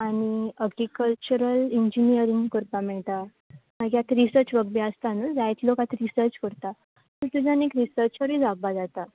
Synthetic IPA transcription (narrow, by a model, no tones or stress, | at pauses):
aɽ̃iəɡɾikəlt͡ɕuɾəliɲd͡ʑinijəɾiŋɡkuɾpamɛɭt̪a | məɡjat̪ɾisəɾt͡ɕʋəɡbiəst̪anəd͡zajt͡slokat̪ɾisəɾt͡ɕkəɾt̪a | suʈ̪ud͡zanekɾisəɾt͡ɕkəɾĩd͡zaɡ̚bad͡zat̪a